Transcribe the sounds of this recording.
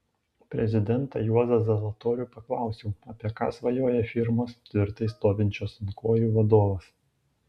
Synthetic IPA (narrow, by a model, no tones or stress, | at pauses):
pʲɾʲɛzʲɪd̪ʲɛnt̪ɐjuɔzɐsʲɐlˠɐt̪oːɾʲuːpɐklˠɑˑʊsʲuːɐpʲiɛkɑ̰ːsʋɐjoːjɛfʲɪɾmoːst̪ʲʋʲɪɾt̪ɐɪst̪oːʋʲɪnʲt͡ʃʲoːsɐnkoːjuːʋɐd̪oːʋɐs